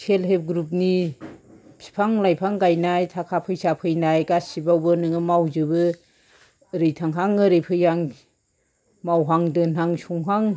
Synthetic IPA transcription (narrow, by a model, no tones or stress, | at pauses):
sʰelɦep̚ɡɾup̚ni | pʰi̥pʰaŋlajpʰaŋɡajnajtʰakʰapʰɯjsapʰɯjnajɡasibawbɯnɯŋɯmawzɯbɯ | ɾɯjtʰaŋɦaŋɯɾɯjpʰɯjaŋ | mawɦaŋdɯnaŋsuŋɦaŋ